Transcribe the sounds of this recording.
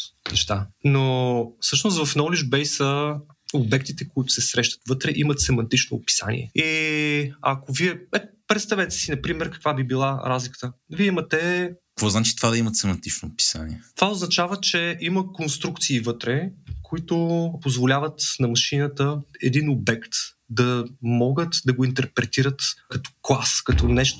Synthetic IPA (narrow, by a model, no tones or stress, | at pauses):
nɛʃt̪anofsɤʃnost̪vɐfnɔliʒbɛjsə | obɛk̚t̪it̪ɛkʊit̪ʊ̥sɛsɾɛʃt̪ə̥t̪vɤt̪ɾɛʔimət̪sɛmɐnt̪it͡ʃno̰pi̥sa̰nḭɛ̰i | ɐ̰koviɛɛpɾɛt̪st̪avɛt̪ɛ̥sinɐpɾimɛɾkɐ̥kvabibilˠaɾazlikə̥t̪əviɛimɐt̪ɛkvɔznat͡ʃi̥t̪ovad̪ɐimət̪sɛmɐnt̪it͡ʃnopi̥sa̰nḭɛt̪ovaʊznɐt͡ʃavət͡ʃɛʔiməkonst̪ɾukt̪siːvɤt̪ɾɛkoit̪opozvolʲavət̪nɐmɐʃinət̪əɛd̪inobɛkt̪ | d̪ɐmɔɡət̪d̪ɐɡoint̪ɛɾpɾɛt̪iɾət̪kɐt̪ɔ̥klˠaskɐt̪ɔnɛʃt̪